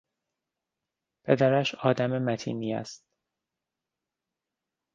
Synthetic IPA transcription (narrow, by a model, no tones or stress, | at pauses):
pʰe̞d̪æɾæʃɒːd̪æmemæt̪ʰḭːniːæ̰st̪̚